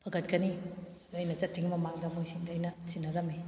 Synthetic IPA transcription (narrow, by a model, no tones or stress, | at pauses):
pʰɐɡɐtkɐnilojnɐt͡ʃɐtʰːiŋmɐmaŋdɐmojsindajnɐsinːɐɡɐmi